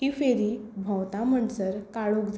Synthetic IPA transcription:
kifeɾibʱə̃wt̪am̤əɳsəɾkaɭokd͡z

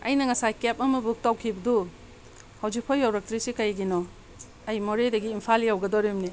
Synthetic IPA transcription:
ɐjnɐŋɐsajkep̚ɐmɐbuk̚tawkʰibɐdu | hawzik̚pʰɔjːawɾɐk̚tɾisikɐjɡinɔ | ɐjmoɾedɐɡiːmpʰaljawɡɐdɔɾimni

